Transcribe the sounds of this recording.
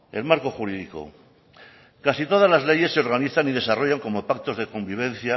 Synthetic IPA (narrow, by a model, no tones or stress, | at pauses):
e̞lmaɾko̞xuɾiðiko̞̰ | kasit̪o̞ð̞azlazle̞je̞sːe̞o̞ɾɣ̞aniθanið̞e̞saro̞ʝaŋko̞mo̞pak̚t̪o̞zðe̞ko̞mbiβ̞ẽ̞nθja